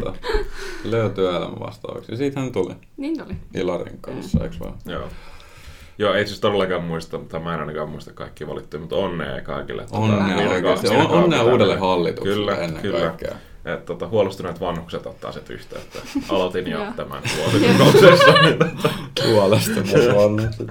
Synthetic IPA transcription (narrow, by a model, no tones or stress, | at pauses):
ɑ̰ | lːejot̪yæelæ̰mæ̰ʋɑ̰st̪ɑ̰ːʋɑ̰ksnisiːt̪hænyt̪olḭ | ilɑrḭŋkɑnsːɑ̰ḭksʋɑ̰jo̰ː | joːeit̪syst̪oɾelːɑkɑːmmuist̪ɑmut̪ːɑmæenɑˑnɑkɑːmuist̪ɑkkɑikːiːʋɑ̰lit̪ːuimut̪onːḛːkɑ̰ikḭlːḛt̪ːonneekɑononːeuːdelːehɑlːit̪ukyslːæenːḛkykɑlːækːḛɑ̰ | ʔet̪tot̪ɑhuolest̪uneˑt̪ʋɑnhukset̪ot̪ːɑ̰ːset̪y̰ht̪æ̰ːet̪ːæɑlot̪injo̰t̪æmæ̰nhuosikkosest̪ɑnit̪et̪ːækuolest̪ɑnɑnu